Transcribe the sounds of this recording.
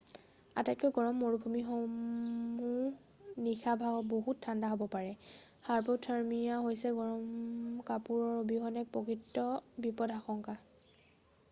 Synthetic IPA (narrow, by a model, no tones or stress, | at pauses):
a̰tat̚kojɡɔɹɔmːoɹubʱumixo | mu | nixabʱaɡɔboɦutʰːandaɦobɔpaɹɛ | xaɹpotʰaɹmijaɦojsɛɡɔɹɔmkapuɹɔɹobiɦɔnɛk̚pɔkɹitːɔbipɔdʱaxɔŋka